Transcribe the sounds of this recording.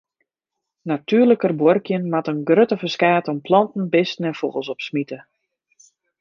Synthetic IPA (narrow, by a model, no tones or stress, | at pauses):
natʰyːrləkərborkjənmatənɡrøtəfəskaːtɔmpʰlɑntn̩bɪstn̩ɛnfoɣəlˠsɔpsmitə